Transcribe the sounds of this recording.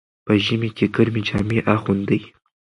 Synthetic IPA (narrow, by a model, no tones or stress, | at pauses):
pəʒəmekʲekəɾmed͡ʒɑmeʔaxund̪əj